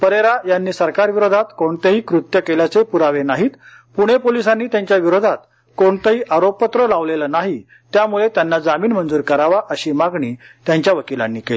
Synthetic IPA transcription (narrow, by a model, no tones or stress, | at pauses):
pəɾeɾajanːiːsəɾkaɾʋiɾod̪ʱat̪koɳt̪əɦiːkɾut̪jəkeljat͡sepuɾaʋenaɦiːt̪ | puɽ̃epolisanːiːt̪jaɲt͡ɕjaʋiɾod̪ʱat̪̚ | koɳt̪əɦiːʔaɾopːət̪ɾəlaʋlelənaɦi | t̪jamuɭet̪janːad͡zamiːnmənd͡zuːɾkəɾaʋaʔəɕiːmaɡɳiːt̪jaɲt͡ɕjaʋəkilã̰nːiːkel